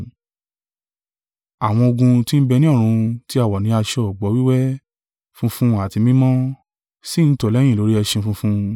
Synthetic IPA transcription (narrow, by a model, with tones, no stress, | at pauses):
a˨w̃ɔ̃˧o˧ɡũ˧ti˦n̩˦bɛ˧nĩ˦ɔ˦˨ɾ̃ũ˧ti˦a˨wɔ˨nĩ˧˦a˧ʃɔ˧˨ɔ˨ɡ͡bɔ˨˦wi˦wɛ˦ | fũ˦fũ˦a˦˨ti˧mĩ˦mɔ̃˦ | si˦˨n̩˦tɔ˨lɛ˦ĩ˦˨o˨˦ɾi˦ɛ˧ʃĩ˧fũ˧fũ˧